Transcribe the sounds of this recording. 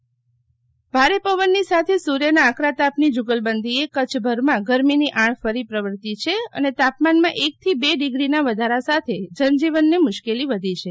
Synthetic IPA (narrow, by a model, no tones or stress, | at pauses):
bʱaɾepəʋənːisat̪ʰesuɾjənaːkɾat̪apnid͡ʒʊɡəlbənd̪ʱiekət͡ʃʰbʱəɾmãɡəɾminiʔãɳ̃fəɾipɾəʋəɾt̪it͡ʃʰeə̰net̪apmanmãʔek̚t̪ʰibeɖiɡɾinaʋəd̪ʱaɾasat̪ʰed͡ʒənd͡ʒiʋənːemʊʃkeliʋəd̪ʱit͡ʃʰe